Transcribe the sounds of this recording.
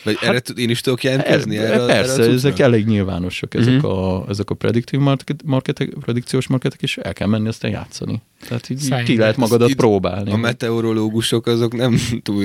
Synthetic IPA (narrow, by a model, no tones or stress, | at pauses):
vɒɟɛɾːɛt̪ud̪eːniʃt̪ud̪o̞kjɛlɛnkɛzniɛɾɛpɛrsɛɛzɛkɛleːɡɲilva̰ːno̞ʃɒkɛzɛkɒɛzɛkɒprɛ̰d̪ikt̪ivmrmɒrkɛt̪ɛprɛd̪ikt̪sijoːʃmɒrkɛt̪ɛ̥keːʃɛ̰lkɛlmɛnːiɒst̪aːnja̰ːt̪sːɒ̰ni | t̪ɛɦat̪iːɟiːk̪ilɛɦɛt̪mɒɡɒd̪ɒt̪proːba̰ːlnimɛt̪ɛoɾo̞loːɡuʃo̞kɒzo̞knɛmt̪ul